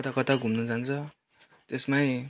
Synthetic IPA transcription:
t̪akʌt̪aɡʱumnʌd͡zant͡sʰʌ | t̪esmaj

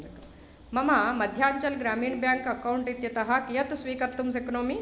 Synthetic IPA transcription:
mɐmamɐd̪ʱjaːɲt͡ɕɐlɡɾamiːɳbjaŋkɐkawuɳʈit̪jɐt̪ɐɦakjɐt̪sʋiːkəɾt̪ums̬ekonomiː

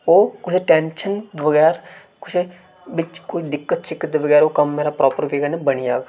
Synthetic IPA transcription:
oːkʊt͡ʃʰʈɛ̃ːnʃənʋəɡɛːɾ | kʊt͡ʃʰ | ʋɪt͡ʃkoːid̪ɪkːət̪t͡ʃʰɪkːət̪d̪eʋəɡɛːɾoːkɐmːeːɾapɾɔːpəɾʋeːɡənebəɽijaːɡ

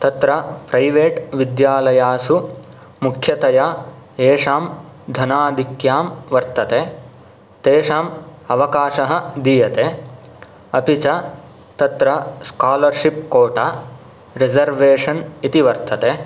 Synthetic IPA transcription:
t̪ɐt̪ɾɐpɾɐjʋeːʈʋid̪jaːlɐjaːsu | mukʰjɐt̪ɐjaːeːʂaːmd̪ʱɐnaːd̪ʱikjaːmʋɐɾt̪ɐt̪eː | t̪eːʂaːmɐʋɐkaːʃɐɦɐ̆d̪iːjɐt̪eː | ɐpit͡ʃɐ | t̪ɐt̪ɾɐskaːlɐɾʂipkoːʈaː | ɾed͡ʒɐɾʋeːʂɐnit̪iʋɐɾt̪ʰɐt̪eː

